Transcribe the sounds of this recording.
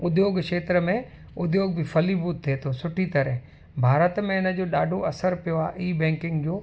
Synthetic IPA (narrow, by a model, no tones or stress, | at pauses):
ʊd̪joːɡʃeːt̪ɾəmẽ | ʊd̪joːɡ̚bʱifʰɐlibuːt̪ʰːeːt̪ʰosʊʈʰit̪ɐɾɛɦ | bʱaːɾət̪mẽɪnə̆d͡ʑoːɗaːɖʱoɐsəɾpijoa̰ːʔiːbɛ̃ːŋkɪ̃ŋɡd͡ʑoː